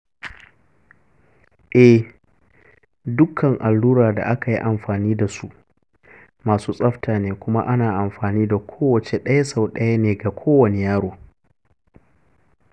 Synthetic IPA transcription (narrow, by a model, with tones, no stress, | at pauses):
ʔɛ˦ | dʊ˦kʰːɐ˨ŋʔa˨lːuː˦ɾaː˨da̰˨ʔa˦ka˨ji˦ʔa˨mɸaː˨niː˦da˨su˦ʔ | maː˨suː˦sʼɐ˦ɸtʰaː˨neː˨kʷʊ˦ma̰˦ʔa˦naː˨ʔa˨mɸaː˨niː˦da˨kʷʰoː˦wɐ˨t͡ʃe˨ɗɐ˦ja˦sa˨wɗɐ˦ja˦neː˨ɡa˨kʷʰoː˦wɐ˨ne˦jaː˦ɽoː˨